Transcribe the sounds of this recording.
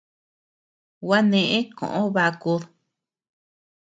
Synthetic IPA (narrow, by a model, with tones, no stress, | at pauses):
wa˦nẽ˧ʔẽ˦kõ̰˨ʔõ˦βa˧ku˧ð